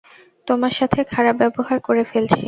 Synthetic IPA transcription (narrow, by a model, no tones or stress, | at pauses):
t̪omaɾʃat̪ʰekʰaɾab̚bɛboɦaɾkoɾefelt͡ɕʰi